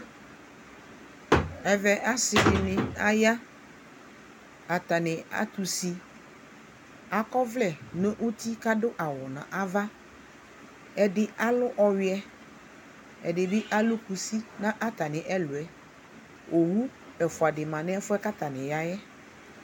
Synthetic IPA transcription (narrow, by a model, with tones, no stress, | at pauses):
ɛ˨vɛ˨ʔa˦sɪ˨fɪ˨nɪ̃˨a˦ja˦ | a˨t̪a˨nɪ̃˨a̰˦t̪u˨si˦ | a˦kɔ˦vlɛ˦˨nõ˦ʔo˦t̪i˦ka˦dʊ˦ʔa˨wɔ˨nã̰˨ʔa˦va˦ | ɛ˨dɪ˦a˦lʊ˦ʔɔ˨ɥɪ˦ɛ˦ | ɛ̰˨dɪ˨bɪ˦ʔa˦lʊ˦ku˨si˦nã˦ʔa˦t̪a˨nɪ̃˨ʔɛ˦lʊ˨ɛ˨ | ʔo˨wu˦ | ɛ˨fʊ˨a˨dɪ˨mã˨nɪ̃˦ɛ˦fʊ˦ɛ˦ka˦t̪a˨nɪ̃˨ja˦jɛ˦